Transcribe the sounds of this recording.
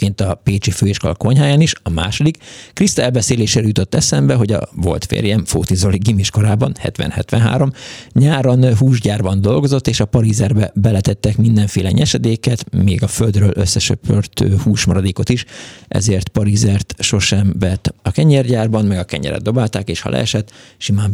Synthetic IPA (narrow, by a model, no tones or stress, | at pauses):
keːnt̪ɒpeːt͡ʃiføːeːʃkɒ̰lkoɲɦaːjaːniʃɒma̰ːʃo̞d̪ikːrist̪ɛlbɛseːleːʃeːɾɛjut̪o̞t̪ːɛsɛmbɛɦo̞ɟɒ̰vo̞̰lt̪fḛːrjɛɱfo̰ːt̪izo̞liɡimiʃko̞ɾaːbɒnhɛ̰t̪ʋɛ̰nhɛt̪ʋɛ̰nɦa̰ːɾo̞mɲaːɾonɦuːʒɟaːrbɒnd̪o̞lɡo̞zot̪ːeːʃɒpɒɾizɛrbɛbɛlɛt̪ɛt̪ːɛkmind̪ɛɱfeːlɛɲɛʃɛd̪eːkɛt̪mḛːɡɒføld̪røːlʔøsːɛt͡ʃøpørt̪øːhuːʃmɒɾɒd̪eːko̞t̪iʃʔɛ̰zeːrt̪pɒɾizɛrt̪ʃo̞ʃɛmvɛt̪ɒkɛɲɛrɟaːrbɒnmɛɡɒkɛ̰ɲɛ̰ɾɛ̰d̪o̞baːlt̪aːkeːʃhɒ̰lʔɛ̰ːʃɛt̪ːʃimaːm